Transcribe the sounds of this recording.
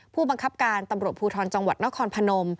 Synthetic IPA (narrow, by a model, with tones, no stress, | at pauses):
pʰuː˥˩ba˧ŋkʰa˦˥p̚kaː˧nt̪a˧mɾu˨˩ət̪̚pʰuː˧t̪ʰɔː˧n̚t͡ɕa˧ŋwa˨˩t̪̚na˦˥kʰɔː˧npʰa˧no˧m